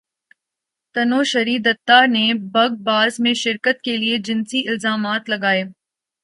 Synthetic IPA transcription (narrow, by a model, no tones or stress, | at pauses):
t̪ɐnoːʃɐɾiːd̪ɐt̪ːanebɐɡ̚baːzmẽʃɪɾkət̪kelied͡ʒɪnsiʔɪlzaːmaːt̪lɐɡaːeː